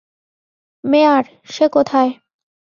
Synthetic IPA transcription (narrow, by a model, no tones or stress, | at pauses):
meaɾ | ʃekot̪ʰae